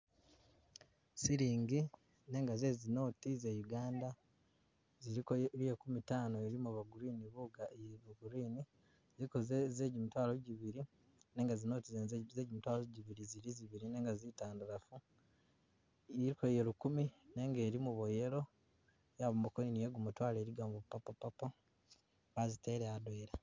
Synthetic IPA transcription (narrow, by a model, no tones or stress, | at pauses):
siɾiːŋɡi | ne̞ːŋɡaze̞ːzino̞ːtize̞juɡaːnda | ziɾikojekumitaːnoeɾimuβaɡuɾiːniβuɡaβuɡuɾiːni | zikozze̞ːɟimutwaːloɟiβiɾi | ne̞ːŋɡazinoːtizeze̞ːɟumutwaːloɟiβiɾiziɾiziβiɾine̞ːŋɡazitaːnduɾafu | iɾikojelukumine̞ŋɡe̞ːɾimuβoje̞ɾo̞ | jaβomukoninijeɡumutwaːle̞ːɾiɡaːmbopapapapa | βazite̞ɾeadweːɾa